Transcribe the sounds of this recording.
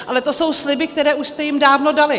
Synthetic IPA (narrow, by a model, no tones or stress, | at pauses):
ʔalɛt̪o̞so̞wslɪbɪk̚t̪ɛɾɛːʔuʃst̪ɛjɪmdaːvno̞dalɪ